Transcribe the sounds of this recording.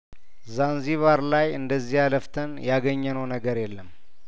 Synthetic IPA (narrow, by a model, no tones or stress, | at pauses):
zanziβaɾlajɨnd̪əzːihaləft̪ʰənjaɡəɲːənəwnəɡəɾjɛlːəm